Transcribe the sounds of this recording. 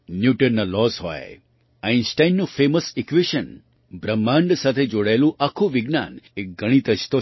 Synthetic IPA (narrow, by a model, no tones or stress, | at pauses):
njuʈəɾnalɔsɦɔ̰e | ajnsʈajnːũfeməsikʋiʃən | bɾəmːãɳɖsat̪ʰed͡ʒoɽaelũʔakʰuʋiɡna̰nek̚ɡəɽ̃it̪ət͡ʃt̪o